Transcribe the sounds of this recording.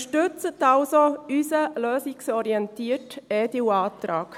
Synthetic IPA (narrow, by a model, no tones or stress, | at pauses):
ʃtøt͡sətalsoysəløːsiksɔɾiɛntiːətediwaːtɾaːk